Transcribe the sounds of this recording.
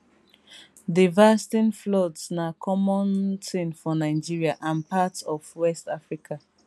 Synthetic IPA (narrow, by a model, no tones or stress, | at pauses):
divastĩnflɔdsnakʰɔmɔ̃ntʰĩnfɔnaɪd͡ʒiɹiaʔãnpatɔvwɛstafɹikʰa